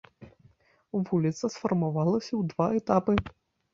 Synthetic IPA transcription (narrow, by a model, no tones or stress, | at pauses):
vulʲit̪sɐsfɐrmavalˠɐsʲɐwd̪vaɛt̪apɨ